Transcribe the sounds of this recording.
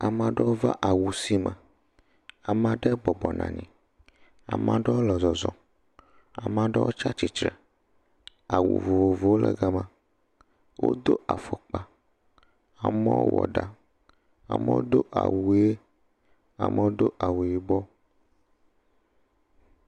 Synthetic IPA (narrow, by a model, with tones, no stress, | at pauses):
a˨mã˨ɖɛ˦wo˦va̰˦ʔa˨wu˨si˦mɛ̃˨ | a˨mã˨ɖɛ˦bɔ˨bɔ˨nã̰˨ɲḭ̃˨ | a̰˨mã˨ɖɛ˦wo˦lɔ˨zɔ˨zɔ˨ | a˨mã˨ɖɛ˦wo̰˦t͡ʃa˦t͡ʃi˨t͡ʃɾɛ˨ | a˨wṵ˨vo˨vo˨vo˨wo˦lɛ̰˨ɡa˦mã˨ | wo̰˦d̪o˦ʔa˨fɔ˨k͡pa˨ | a˨mɛ̃˦wo̰˦wɔ̰˨ɖa˨ | a̰˨mɛ˦wo˦d̪o˦ʔa̰˨wu˨˦e˦ | a̰˨mɛ˦wo˦d̪o˦ʔa˨wu˨ji˨bɔ˦